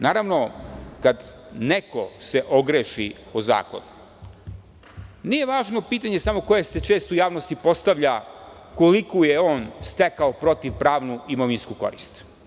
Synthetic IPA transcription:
naːɾaʋno̞kad̪ | nekose̞ʔoɡɾeːʃi | oza̰ːko̰nu | nije̞ʋaːʒno̞piːt̪aɲesamo̞ko̞jese̞t͡ʃe̞ːst̪ujaːʋno̞st̪ipo̞st̪aʋʎa | kolikujeo̞ːnst̪ekaopɾo̞t̪iʋpɾaːʋnuʔimoʋinskuko̞̰ɾḭst̪

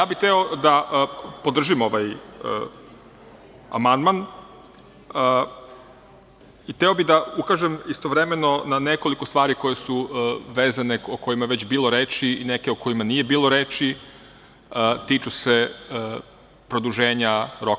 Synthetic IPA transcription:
jaːbit̪eo̞d̪aʔpod̪r̩ʒimoʋaj | a̰mand̪man | it̪eo̞bid̪aukaʒemist̪o̞ʋɾemeno̞naneko̞likost̪ʋaːɾiko̞jesuʋeːzaneoko̞jimaeʋet͡ɕbiːlˠo̞ɾeːt͡ʃiineke̞oko̞jimanije̞biːlˠo̞ɾeːt͡ʃi | t̪iːt͡ʃuse | pɾod̪uʒeːɲaɾok

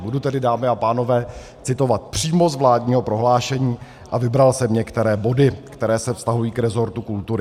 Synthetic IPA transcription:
budut̪ɛdɪdaːmɪapaːno̞vɛː | t͡sɪt̪o̞vat̪̚pr̝̥iːmo̞zvlaːdɲiːɦo̞pɾo̞ɦlaːʃɛɲiː | ʔavɪbɾalsɛmɲɛkt̪ɛɾɛːbo̞dɪkt̪ɛɾɛːsɛfst̪aɦujiːkɾɛzo̞ɾt̪ukult̪uɾɪ

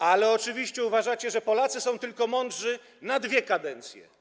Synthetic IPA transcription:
alɛɔt͡ʂɘvʲiɕt͡ɕɛuvaʐat͡ɕɛʐɛpɔlat̪sɘsɔ̃w̃t̪ɘlkɔmɔndʐɘ | nad̪vʲjɛkad̪ɛnt̪sʲjɛ̰

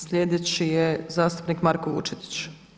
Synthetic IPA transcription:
sʎʲed̪et͡ɕijezaːst̪u̥pnikmaɾkoʋṵt͡ʃet̪i̥t͡ʃ

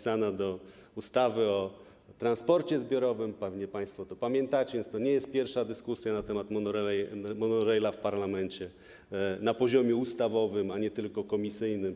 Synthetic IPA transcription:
sanad̪ɔ | ust̪avɘɔ | t̪ɾanspɔɾt͡ɕɛzbʲjɔɾɔvɘmpɛvɲɛpaj̃st̪fɔt̪ɔpamʲjɛnt̪at͡ɕɛvʲjɛnst̪ɔɲɛjɛst̪̚pʲjɛɾfʂad̪ɘskusʲjanat̪ɛmat̪mɔnɔɾɛmɔnɔɾɛjlafpaɾlamɛnt͡ɕɛ | napɔʑɔmʲjɛust̪avɔvɘmaɲɛt̪ɘlkɔkɔmʲisɘjnɘm

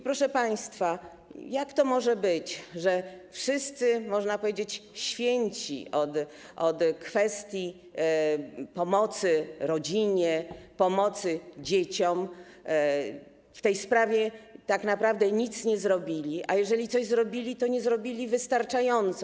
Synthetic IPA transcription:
ipɾɔʂɛpaj̃st̪fa | jakt̪ɔmɔʐɛbɘt͡ɕʐɛfʂɘst̪sɘmɔʐnapɔvʲjed͡ʑet͡ɕɕfʲjeɲt͡ɕḭʔɔt̪ʔɔt̪kfɛst̪ʲji | pɔmɔt̪sɘɾɔd͡ʑiɲɛpɔmɔt̪sɘd͡ʑet͡ɕɔm | ft̪ɛjspɾavʲjɛt̪aknapɾavd̪ɛɲit̪sɲɛzɾɔbʲilʲiʔajɛʐɛlʲit̪sɔʑzɾɔbʲilʲit̪ɔɲɛzɾɔbʲilʲivɘst̪aɾt͡ʂajɔnt̪sɔ

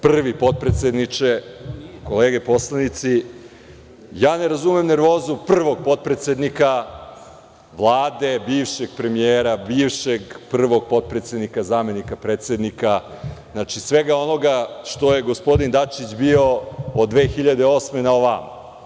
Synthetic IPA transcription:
pr̩ʋipo̞t̪̚pɾet̪sʲed̪nit͡ʂeko̞leːɡe̞po̞slˠanit̪si | jaːneɾazume̞mne̞ɾʋo̞ːzupr̩ʋo̞ɡ̚po̞t̪̚pɾet̪se̞d̪nika | ʋlˠaːd̪e̞biːʋʃeɡ̥̚pɾe̞mieːɾabiːʋʃeɡpr̩ʋo̞ɡ̚po̞t̪̚pɾet̪se̞d̪nikazaːme̞nikapɾeːt̪sʲe̞d̪nika | znat͡ʂisʋe̞ɡao̞no̞ɡaʂt̪o̞je̞ɡospo̞d̪ind̪at͡ʃit͡ɕbio̞od̪ʋe̞ːxiʎad̪eo̞smenaoʋama̰

